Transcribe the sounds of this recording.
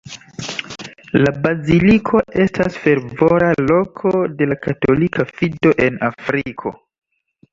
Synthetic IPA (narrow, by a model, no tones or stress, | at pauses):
labazilikʰo̞e̞stʰasfe̞ɾvo̞ɾalo̞kʰo̞de̞lakato̞likʰafido̞ʔe̞nafɾikʰo̞̰